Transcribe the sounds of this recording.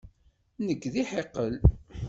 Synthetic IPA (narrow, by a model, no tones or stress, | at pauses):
nəɡːðiħeqːəl